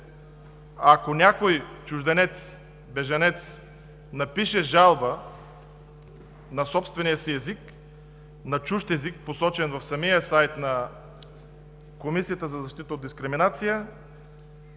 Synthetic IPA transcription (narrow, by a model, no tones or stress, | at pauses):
akonʲakojt͡ʃuʒd̪ɛnɛt̪s | bɛʒɐnɛt̪s | nɐpiʃɛʒalˠbə | nɐsɔpst̪vɛnijəsiɛzik | nɐt͡ʃuʃt̪ɛzik̚posɔt͡ʃɛnvɐfsɐmijəsajt̪nɐ | komisijət̪əzɐzɐʃt̪it̪əot̪d̪iskɾiminat̪sijə